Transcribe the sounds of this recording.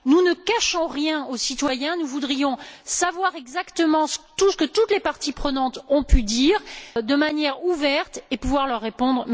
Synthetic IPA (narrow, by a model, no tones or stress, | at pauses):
nunəkaʃɔ̃ʁjɛ̃osit̪wajɛ̃nuvud̪ʁijɔ̃savwaʁɛɡzakt̪əmɑ̃sə̥t̪usə̥kət̪ut̪lepaʁt̪ipχənɑ̃t̪ɔ̃pyd̪iːʁd̪əmanjɛʁuvɛʁt̪epuvwaʁlœʁːepɔ̃d̪ʁ